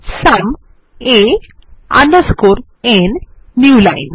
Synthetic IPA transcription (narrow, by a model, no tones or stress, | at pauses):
sam | e | a̰nəskoɾ | enː | julajn